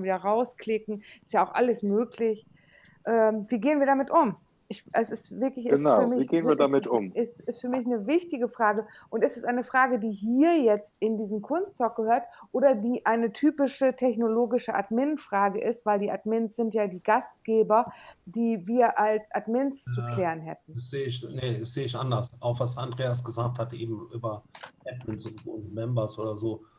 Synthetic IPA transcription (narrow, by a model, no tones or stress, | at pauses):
viːdɐʁaʊskʰl̥ɪkŋ̩ʔɪ̥stjaaʊxʔa̰ləsmøːklɪç | ʔɛːmviːɡeːənviːɐdamɪtʔʊm | ʔɪçɛsɪstvɪɐklɪçʔənayɐɐmɪçiːɡeːnvviːɐdamɪtʊ̰mʔɪstɪstfyːɐmɪçnəvɪçtɪɡəfʁ̥aːɡə | ʔʊntɪstɛsʔaɪnəfʁ̥aːɡədiːɦiːɐjɛt͡stɪndiːzm̩kʰʊnstsɔk̚ɡ̥əhøːɐtʔoːdɐdiːʔaɪnətʰyːpɪʃətʰɛçnoloːɡɪʃəʔa̰dmɪnfʁ̥aːɡəʔɪstv̥aɪldiːʔadmɪnsz̥ɪntjaːdiːɡast̚ɡ̥eːbɐd̥iːviːɐʔalsʔadmɪnst͡sukl̥ɛːʁənɦɛ̰tn̩z̥eːɪçnəsz̥eːɪçʔandɐsʔaʊxv̥asandʁeːas̬ɡ̥əzaːk̚thatʔḛːbm̩ʔyːbɐɛtmɛnsʊntz̥oːmɛmbɐsʔoːdɐzoː